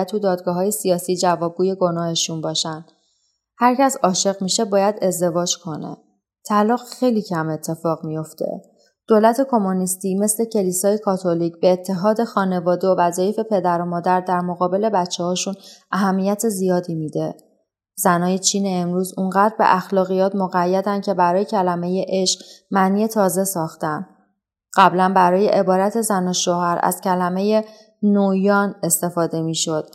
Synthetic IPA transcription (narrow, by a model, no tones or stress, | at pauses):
t̪ʰud̪ɒːd̪̚ɡɒːɦɒːje̞sijɒːsiːd͡ʒævɒːb̚ɡuːje̞ɡo̞nɒːhe̞ʃunbɒːʃænd̪ | hæɾcæsɒːʃe̞ɣmiʃe̞bɒːjæd̪e̞zd̪e̞vɒːd͡ʒkʰo̞nḛ | t̪ʰælɒːɣxe̞jlicʰæme̞t̪ʰːe̞fɒːɣmijo̞ft̪ʰḛ | d̪̥oːlæt̪ʰe̞kʰo̞monist̪ime̞sle̞cʰe̞liːsɒːjekʰɒːt̪ʰo̞liːcbe̞ːt̪ʰːe̞ɦɒːd̪e̞xɒːne̞vɒːd̪eovæzɒːje̞fe̞pʰe̞d̪æɾomɒːd̪æɾd̪æɾmo̞ɣɒːbe̞le̞bæt͡ʃʰːehɒːʃunʔæɦæmːijæt̪ʰe̞zijɒːd̪iːmiːd̪e̞ | zænɒːje̞t͡ʃʰiːne̞ːmɾuːzuɴɢæːd̪ɾbe̞̰ʔæxlɒːɣijɒːt̪moɣæjːæd̪ænd̪̚cʰe̞bæɾɒːjecʰælæme̞je̞ʔe̞ʃɢ̥mæniːje̞t̪ʰɒːze̞sɒːxt̪ænd̪ | ɢ̥æblænbæɾɒːje̞̰ʔebɒːɾæt̪ʰe̞zænoʃoɦæɾæ̰z̥cʰælæme̞je̞ | nojɒːne̞st̪e̞fɒːd̪e̞miːʃo̞d̪̥